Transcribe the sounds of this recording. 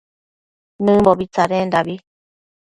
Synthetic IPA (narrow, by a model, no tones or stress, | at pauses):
nɨ̃mboβit͡saɾend̪aβi